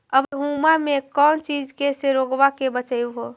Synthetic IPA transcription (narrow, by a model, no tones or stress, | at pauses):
əbəɦumamekɔːnt͡ʃid͡ʒkeseɾoɡʋakebət͡ʃəjɦo